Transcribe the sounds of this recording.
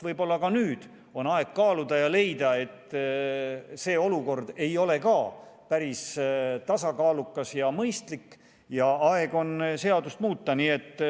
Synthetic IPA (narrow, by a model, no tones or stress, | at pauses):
vɤjb̥o̞lːɑkɑnyːd̪̥ | o̞nɑe̞ɡ̥̚kɑːlud̪̥ɑjɑle̞jd̪ɑe̞t̪ː | se̞ːo̞luko̞rd̪̥e̞jo̞le̞kɑːpæɾist̪ɑsɑkɑːlukːˑɑsjɑmɤjst̪likː | jɑɑe̞ɡ̥o̞nse̞ɑd̪ust̪muːt̪ːɑniːe̞t̪ː